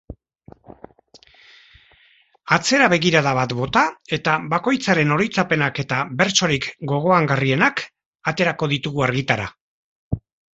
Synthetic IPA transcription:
at͡se̞ɾaβe̞ɣiɾaðaβat̪bo̞t̪ae̞t̪aβako̞jt͡saɾe̞no̞ɾijt͡sape̞nake̞t̪aβe̞ɾt͡so̞ɾikɡo̞ɣ̞o̞aŋɡarie̞nak | at̪e̞ɾako̞ðit̪uɣuaɾɣit̪aɾa

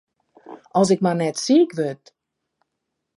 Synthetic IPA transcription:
ʔɔlˠs̬ɪkmanɛtsiːkʋøt̚

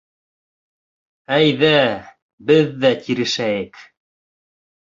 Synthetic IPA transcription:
æjðæ | bɘðːæt̪ʲʰiɾɘ̆ʃæjɘk

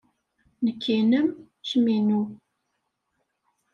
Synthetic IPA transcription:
nəkʰːinəm | ʃminu

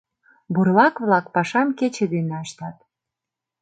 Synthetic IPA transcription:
burlɑkβlɑkpɑʃɑmket͡ɕĕd̪eneɑʃt̪ɑt̪̚

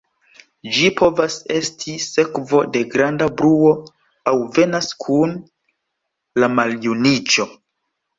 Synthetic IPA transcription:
d͡ʒipʰo̞vase̞stʰise̞kvo̞de̞ɡɾandabɾuo̞ | awve̞naskʰun | lamaljunit͡ʃo̞

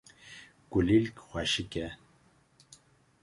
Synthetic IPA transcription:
ɡ̥ulilkxʷaʃikɛ

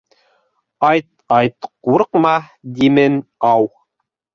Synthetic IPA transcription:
ɑjt̪̚ | ɑjt̪quɾqmɑd̪imɘnɑw

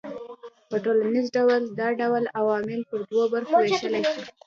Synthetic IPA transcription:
pəʈolanizɖawald̪ɑɖawalawɑmɪlpəɾd̪wobaɾxoweʃəlaʃi

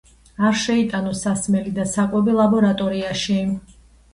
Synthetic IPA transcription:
aɾʃɛit̪ʼanɔsasmɛlid̪asakʼɛbilˠabɔɾat̪ʼɔɾiaʃi

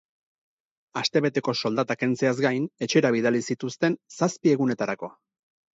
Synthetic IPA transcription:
ast̪e̞βe̞t̪e̞ko̞so̞ld̪at̪ake̞nt͡seazɡajne̞t͡ʃe̞ɾaβiðalisit̪ust̪e̞nsaspie̞ɣune̞t̪aɾako̞

